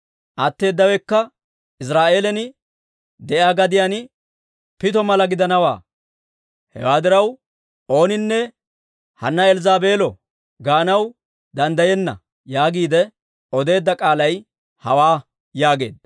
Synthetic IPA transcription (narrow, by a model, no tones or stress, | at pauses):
ʔɐt̪ːe̞ːd̪ːɐwɛkːɐ | ɪs̬ɾaːʔeːlɛnɪ | d̪ɛʔaːɡɐd̪ɪjanɪ | pɪt̪ɔmɐlɐɡɪd̪ɐnɐwa̰ː | hɛ̰waːd̪ɪɾɐw | o̞ːnɪnːɛ | hɐ̰nːɐɛlzaːbe̞ːlɔ | ɡaːnɐw | d̪ɐnd̪ɐjɛnːɐ̰ | jaːɡiːd̪ɛ | ɔd̪e̞ːd̪ːɐkʼaːlɐj | hɐwaː | jaːɡe̞̰ːd̪̚